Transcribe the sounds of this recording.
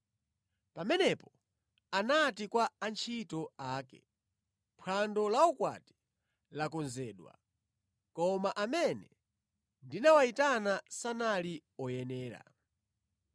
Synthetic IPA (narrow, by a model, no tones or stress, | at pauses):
pamɛnɛpɔ | anatikwaːnt͡ʃʰitɔaːkɛ̰ | mpʰwandɔlaɔkwa̰ti̥ | lakɔnzɛːɗwa̰ | kɔmaʔamɛnɛ | ndinawaitanasanaliɔjɛnɛːɾa̰